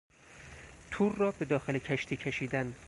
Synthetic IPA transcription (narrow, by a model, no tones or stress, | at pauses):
t̪ʰuːrːɒːbe̞d̪ɒːxelecʰæʃt̪ʰiːcʰeʃiːd̪æn